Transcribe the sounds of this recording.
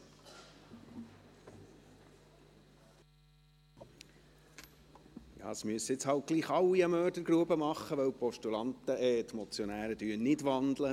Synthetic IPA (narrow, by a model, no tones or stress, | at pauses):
jɑ̰ːəsmyəsɪt͡shɑlt̚ɡ̥liːχɑlːiəmœːɾdəɾɡɾuəbəmɑχːəʋœwpɔʃtulɑnt̪əʔɛːt̪mɔt͡sjɔnæːɾəd̥̪yːənnɪdʋɑnd̪lə